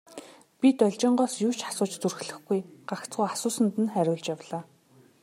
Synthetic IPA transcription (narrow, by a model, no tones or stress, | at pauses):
pʲit̪ɔɮʲt͡ɕɪ̆ːɴɢɔːsjuːt͡ɕʰḁsʊːt͡ɕt͡surxɮɘ̆xɡujɢ̥akt͡sɢujasʊːsə̆nt̪ɘ̆nχæɾʲʊːɮt͡ɕjawɮaː